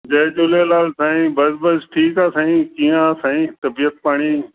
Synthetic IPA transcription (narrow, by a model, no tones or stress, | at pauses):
d͡ʑɐd͡ʒʊlelaːlsãːĩbɐzbəsʈʰiːkaːsãːĩkiːjãsãːĩt̪ɐbiːət̪̚paːɽ̃iː